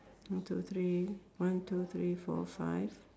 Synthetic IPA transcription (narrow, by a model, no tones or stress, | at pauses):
t̪ʰut̪ʰɾiwãntʰut̪ʰɹifɔ̰fa̰jv